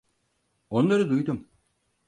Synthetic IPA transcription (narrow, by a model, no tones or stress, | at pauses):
o̞nlˠaɾɯd̪ujd̪um